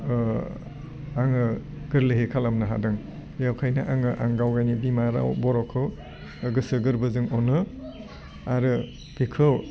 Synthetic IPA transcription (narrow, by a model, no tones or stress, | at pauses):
aŋɯ | ɡɯɾleɦekʰalamnɐɦa̰dɯŋ | jawkʰajnaʔaŋɯʔaŋɡawɡajnibimaɾa̰wbɔɾɔkʰɯ | ɡɯsɯɡɯɾbɯzɯŋɔnɯ | aɾɯ | ɡ̥ikʰɯw